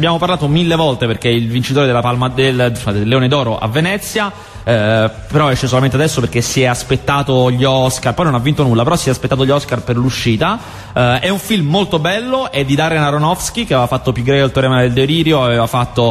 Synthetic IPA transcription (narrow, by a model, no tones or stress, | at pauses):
bjaːmoparlaːt̪omilːevɔlt̪eperkeilvint͡ʃit̪oːɾed̪elːapalmad̪eld̪elːeoːned̪ɔːɾoʔa̰vːenɛt̪sːja | peɾɔɛt͡ʃːes̬olament̪ad̪ɛsːoperk̟ːesːiɛaspet̪ːaːt̪oʎːɔskarpɔjnonavːint̪onulːapeɾɔsːiɛaspet̪ːaːt̪oʎːɔskarperluʃːiːt̪a | ɛuɱfilmːolt̪obɛlːoʔɛd̪ːid̪aːɾenaɾonɔfsk̟ikeavevafat̪ːopjuɡːɾɛkoalt̪oɾɛːmad̪eld̪eoɾiːɾjoaveːvafat̪ːo